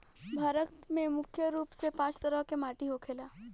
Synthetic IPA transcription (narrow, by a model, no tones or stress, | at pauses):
bʱaːɾət̪mẽmʊkʰjəɾuːpsepãːt͡ʃt̪əɾəɦkemaːʈiɦokʰeːlaː